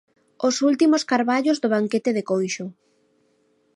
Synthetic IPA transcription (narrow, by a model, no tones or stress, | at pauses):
osult̪imoskaɾβaʎozðoβ̞aŋket̪eðekojʃʊ